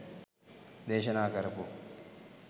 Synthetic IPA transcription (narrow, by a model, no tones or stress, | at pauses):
d̪eːʃɐnaːkɐɾɐku